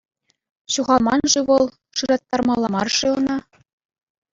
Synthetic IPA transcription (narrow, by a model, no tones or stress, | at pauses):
ɕuʁɑlˠmɑnʐɘ̆ʋɤ̆lˠ | ʂɯɾɑt̪ːɑrmɑlˠːɑmɑrʂɤɤ̆nɑ